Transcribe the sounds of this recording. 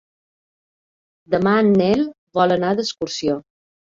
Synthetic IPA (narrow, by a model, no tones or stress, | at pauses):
d̪əmanːɛl | βɔlənaðəskuɾsio